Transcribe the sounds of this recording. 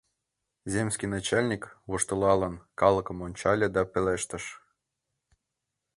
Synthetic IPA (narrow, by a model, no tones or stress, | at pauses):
zʲemskʲinɑt͡ɕɑlʲnʲikβuʃt̪ɤ̆lɑlə̆nkɑlə̆kɤ̆monʲt͡ɕɑlʲed̪ɑpeleʃt̪ə̆ʃ